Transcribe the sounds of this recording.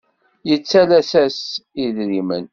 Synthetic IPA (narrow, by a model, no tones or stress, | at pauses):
jət͡sːælæsæsiðɾimə̰n